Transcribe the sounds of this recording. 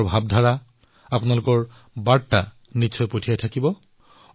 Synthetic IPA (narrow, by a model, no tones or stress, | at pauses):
bʱab̚dʱaɹa | apʊnalʊkɔɹ | baɹta | nisʰɔjpotʰijajtʰakibɔ